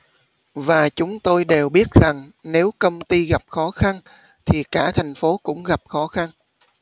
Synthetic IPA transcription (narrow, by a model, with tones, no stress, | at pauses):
vaː˨˩t͡ɕʊ˨˦ŋ͡mt̪o˧jɗe˨˩wɓi˦˥ət̚za˨˩ŋne˨˦wkə˧wŋ͡mt̪i˧ɣa˨˩p̚xɔ˨˦xa˧n | t̪ʰi˨˩kaː˧˩t̪ʰa˨˩jŋ̟fo˨˦kʊ̰˧˥ŋ͡mɣa˨˩p̚xɔ˨˦xa˧n